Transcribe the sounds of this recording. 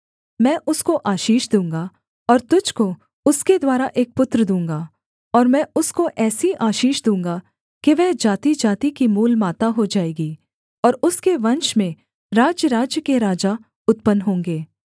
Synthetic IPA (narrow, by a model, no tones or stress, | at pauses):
mɛ̃ːʔʊskoʔaːʃiːʃd̪ũːŋɡa | ɔːɾt̪ʊd͡ʒko | ʊsked̪waːɾaʔeːk̚pʊt̪ɾəd̪ũːŋɡaː | ɔːɾmɛ̃ːʊskoʔɛːsiʔaːʃiːʃd̪ũːŋɡa | keʋɛːd͡ʒaːt̪id͡ʒaːt̪ikimuːlmaːt̪aɦod͡ʒaːeːɡi | ɔːɾʊskeʋɐ̃nʃmẽ | ɾaːd͡ʒjəɾaːd͡ʒjəkeɾaːd͡ʒa | ʊt̪̚pənɦõːŋɡeː